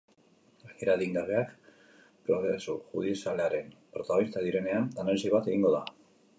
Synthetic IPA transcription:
aɣeɾaðiŋɡaβe̞ak | pɾo̞ɣesuʝuð̞iesale̞aɾe̞npɾo̞t̪aɣnist̪aðiɾe̞ne̞ananalisioβ̞at̪e̞ɣiŋɡo̞ða

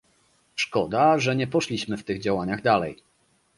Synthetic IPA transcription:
ʂkɔd̪aʐɛɲɛpɔʂlʲiɕmɘft̪ɘɣd͡ʑawaɲaɣd̪alɛ̰j

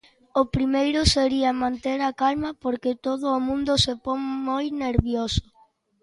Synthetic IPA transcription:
ʊpɾimejɾʊseɾiɐmãnt̪eɾakalmɐpoɾket̪oðʊːmũnd̪ʊsepoŋmojneɾβjosʊ̥

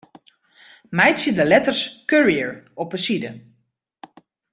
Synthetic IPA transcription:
mɛjsidəlɛtərskøɹiəɹɔpəsidə

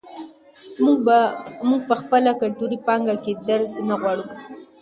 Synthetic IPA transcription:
muɡ̚pəxpəlakalt̪uɾipɑŋɡaked̪aɾznaɣwaɽu

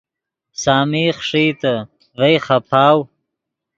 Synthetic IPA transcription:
saːmiχʂiːt̪a | vɐjχapʰaːw

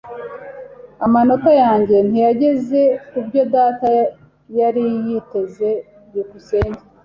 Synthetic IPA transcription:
amano̞kajaːɲɟe̞n̥ijaɟe̞ze̞kubɟo̞daːta | jaɾijite̞ze̞ | jukuse̞ːɲɟe

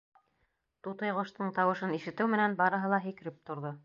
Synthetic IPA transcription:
t̪ut̪ɤjʁŏʃt̪ɤɴt̪ɑwɤ̆ʃɤniʃɘ̆t̪ɘwmɘ̆nænbɑɾɤ̆ɦɤlˠɑɦĭkɘ̆ɾɘp̚t̪ŏɾðo

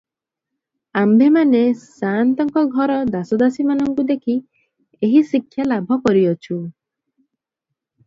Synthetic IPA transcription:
ambʱemanesant̪ɔŋkɔɡʱɔɾɔd̪asɔd̪asimanɔŋkud̪ekʰi | eɦisikʰːjalabʱɔkɔɾiɔt͡ʃʰu

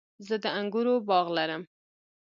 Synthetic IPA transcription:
zəd̪əaŋɡuɾobɑɣlaɾəm

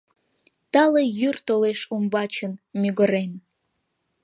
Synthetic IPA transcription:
t̪ɑlejyrt̪oleʃumbɑt͡ɕənmʲyɣəɾen

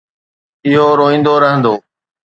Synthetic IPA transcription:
ɪɦoɾoːĩːn̆d̪oɾəɦə̃nd̪oː

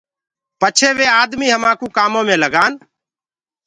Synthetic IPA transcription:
pət͡ʃʰeːʋeːaːd̪miːɦəmãːkuːkaːmõːmẽːləɡaːn

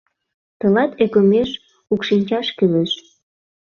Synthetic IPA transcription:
t̪əlɑt̪ʰekomeʃ | ukʃinʲt͡ɕɑʃkyleʃ

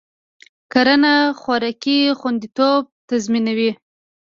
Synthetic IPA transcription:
kaɾanaxwɑɾakixwand̪it̪ob̚t̪azminawi

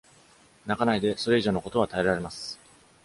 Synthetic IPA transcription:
nakanaid̪e̞so̞ɾe̞iʑo̞ːnoko̞t̪oat̪ae̞ɾaɾe̞masɨ̥

